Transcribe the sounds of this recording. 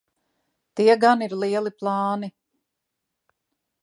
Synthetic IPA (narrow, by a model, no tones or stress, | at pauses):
t̪iɛɡaniɾlˠiɛlˠiplˠɑːni